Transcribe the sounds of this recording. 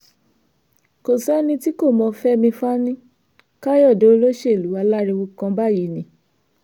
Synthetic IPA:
ko˨sɛ˨˦nĩ˧ti˦ko˦˨mɔ̃˧fɛ˦mĩ˧fa˦nĩ˦ | ka˦jɔ˦˨do˨˦o˧lo˦ʃe˦˨lu˨˦a˧la˦ɾi˧wu˧kã˧ba˦˨ji˨nĩ˨˦

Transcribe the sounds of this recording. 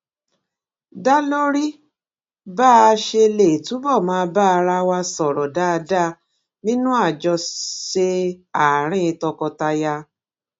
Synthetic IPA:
da˦lo˦ɾi˦ | baː˦˧ʃe˧le˨tu˨˦bɔ˦˨mãː˧ba˦˧ɾa˧wa˧sɔ˨ɾɔ˨da˦˧da˦˨ | nĩ˦nũ˦a˦˨d͡ʒɔ˧ʃe˧a˨ɾ̃ĩ˦˧tɔ˧kɔ˧ta˧ja˧

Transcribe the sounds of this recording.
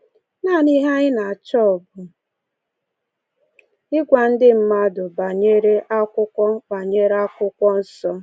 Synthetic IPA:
na˦˨ni˦ɦa˦ɲɪ˦na˨a˨t͡ʃɔ˦ɔ˨bʊ˨ | ɪ˦ɡʷa˨n̩˦dɪ˦m̩˦ma˦dʊ˨ba˨ɲe˦ɾe˦ʔa˦kʷʊ˦kʷɔ˦k͡pa˨ɲe˦ɾa˦kʷʊ˦kʷɔ˦n̩˦sɔ˦

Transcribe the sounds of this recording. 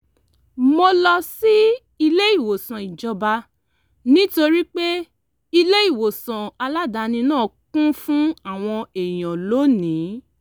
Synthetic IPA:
mo˧lɔ˧si˦ | i˧le˦i˦˨wo˨sã˨i˨d͡ʒɔ˧ba˧ | nĩ˦to˧ɾi˦k͡pe˦ | i˧le˦i˦˨wo˨sã˨a˧la˦da˧˦nĩ˧nãː˦˨kũ˦fũ˦a˦˨w̃ɔ̃˧e˨j̃ɔ̃˨lo˨˦nĩ˨˦

